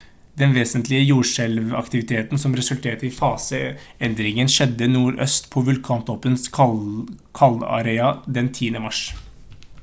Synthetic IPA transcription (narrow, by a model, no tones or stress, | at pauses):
d̪ɛnʋeːsənt̪lɪəjuːʂɛlʋɑ̰kt̪ɪʋɪt̪ʰeːt̪n̩sɔmɾɛsʉlt̪ʰeːt̪əɪfɑːsəɛnd̪ɾɪŋənʂɛd̪ːənuːɾœ̰st̪pʰɔʋʉlkʰɑːnt̪ʰɔpːəns | kʰɑlɑ̰ɾeːɑd̪ɛnt̪ʰiːənəmɑʂ